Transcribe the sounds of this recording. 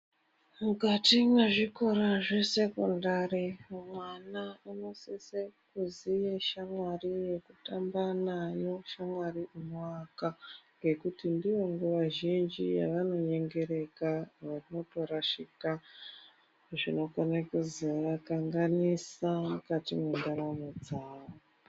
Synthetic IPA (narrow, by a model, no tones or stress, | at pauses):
mukatimweʐiko̞ɾaʐe̞se̞kondaːɾimwanaano̞sisekuzijeʃamwarije̞kutambanajo̞ʃamwariʔumakaŋɡe̞kutindiʋo̞ŋɡuʋaʒind͡ʒija̰ʋano̞ɲe̞ŋɡe̞ɾe̞kaʋarino̞to̞ɾaʃika | ʐino̞kanakuziʋakaŋɡanisakatimundaɾamod͡zaːʋo